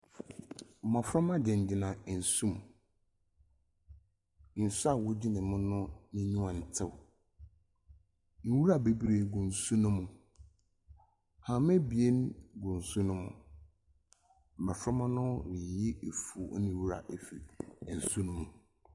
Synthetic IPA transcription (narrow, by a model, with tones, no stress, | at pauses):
m̩˨mã˨fɾɔ˦mã˦dɪ̃˨n˨d͡ʑɪ˨nã˨n̩˨sũ˦m | n̩˨su˦a˨wʊ˦d͡ʑi˦nɪ̃˨mʊ̃˦nʊ̃˦nĩ˦ɲũ˦ã˨n̩˨tʰɪ˦w | n̩˨˦wu˦ɾa˨be˦bi˦ɾe˨ɡʊ̃˨n˨su˦nʊ̃˦mʊ̃˨ | hã˨˦mɛ̃˦bi˨e˦nɡʊ̃˨n̩˨su˦nʊ̃˦mʊ̰̃˨ | m̩˨mã˨fɾɔ˦mã˦nʊ̃˦wɪ˨jɪ˦e˨fu˨˦nɪ̃˦wu˦ɾa̰˨ʔe˨fi˨n̩˨su˦nʊ̃˦mʊ̃˨